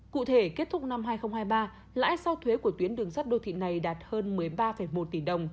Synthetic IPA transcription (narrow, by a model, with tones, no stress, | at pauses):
kṵ˧˨t̪ʰe˧˩ke˦˥t̚t̪ʰʊ˦˥k͡pk̚na˧mɦaː˧jxə˧wŋ͡mhaː˧jɓaː˧ | la̰ː˧˥jsa˧wt̪ʰwe˨˦ku˧˩ət̪wi˨˦ənɗɨ˨˩əŋsa˦˥t̚ɗo̰˧˩t̪ʰḭ˧˨na˨˩jɗaː˨˩t̚həː˧nmɨ˨˩əjɓaː˧fə˧˩jmo˨˩t̚t̪i˧˩ɗə˨˩wŋ͡m